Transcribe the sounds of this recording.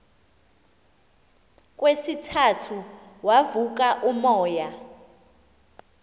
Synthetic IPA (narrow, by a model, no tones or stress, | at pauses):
k̬ʼwesitʰatʰuwavuk̬aʔumɔːja